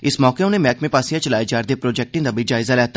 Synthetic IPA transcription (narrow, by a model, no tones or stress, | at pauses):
ɪsmɔːkeʊnẽmɛːkmẽpaːsijat͡ʃɐlaːed͡ʒaːɾd̪epɾoːd͡ʒɛːk̚ʈɪ̃ŋd̪abəid͡ʒaːɪzalɛːɦt̪ː